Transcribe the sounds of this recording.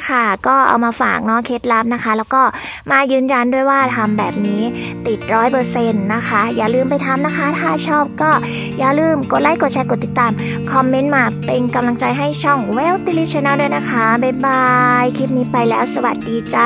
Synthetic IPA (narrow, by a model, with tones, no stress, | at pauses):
kʰa˥˩kɔː˥˩ʔa̰˧wmaː˧fa̰ː˨˩k̚nɔ˦˥kʰeː˦˥t̪̚la˦˥p̚na˦˥kʰa˦˥lɛː˦˥wkɔː˥˩ | maː˧˩jɯː˧˥nja˧ndu˥˩əjwaː˥˩t̪ʰa˧mbɛː˨˩p̚niː˦˥t̪i˨˩t̪̚ɾɔː˦˥jpɤː˧se˧nːa˦˥kʰa˦˥jaː˨˩lɯː˧˩mp̬a˧jt̪ʰa˧mna˦˥kʰa˦˥˩t̪ʰaː˥˩t͡ɕʰɔː˥˩p̚kɔː˥˩ | jaː˨˩lɯː˧˩mko˨˩t̪̚la˧˥˩jko˨˩t̪̚t͡ɕʰa˧jko˨˩t̪ːi˨˩t̪ːaː˧˩m | kʰɔ˧mːe˦˥nmaː˧pe˧nka˧mla˧ŋt͡ɕa˧jɦa˥˩jt͡ɕʰɔ˥˩ŋwɛː˧˥˩wt̪i˧li˦˥t͡ɕʰa˧naː˧˥˨du˥˩˨jna˦˥kʰa˦˥ba˧˩ba˧jkʰi˦˥p̪̚niː˦˥pa˧jlɛː˦˥wsa˧wa̰˨˩t̪̚diː˧t͡ɕa˨˧˩